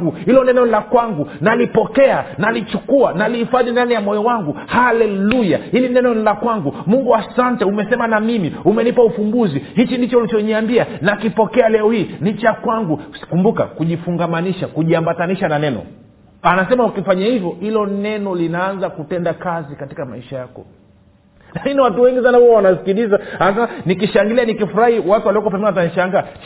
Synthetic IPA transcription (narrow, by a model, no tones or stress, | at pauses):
ɡuhilɔnɛnɔlakwaŋɡunalipɔkɛanalit͡ʃukuanalihifaðindanijamɔjɔwaŋɡuhalɛlujahilinɛnɔnilakwaŋɡumuŋɡuasantɛumɛsɛmanamimiumɛnipaufumbuzihit͡ʃindit͡ʃɔulit͡ʃɔɲiambianakipɔkɛalɛɔhiːnit͡ʃakwaŋɡukumbuka̰kuʄifuŋɡamaniʃakuʄiambataniʃananɛnɔ̰ | anasɛmaukifaɲahivjɔhilɔnɛnɔlinaanzakutɛndakazikati̥kamaiʃajakɔ̰ | lakiniwatuwɛŋɡisanahuɔwanasi̥kiɗizaanas̬ɛmanikiʃaŋɡilianikifuɾahiwatuwaliɔkɔpɛmbinataniʃaŋɡa